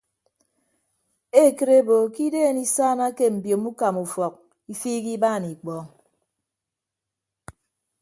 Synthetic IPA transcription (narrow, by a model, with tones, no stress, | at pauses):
e˦˨kɨ˨ɾe˦bo˨ki˦deː˦˨ni˦saː˦na˦ke˦m̩˨bjo˨mu˦ka˨mu˨fɔ˨k̚ | i˦fiː˦ki˦baː˦˨ni˨k͡pɔ˦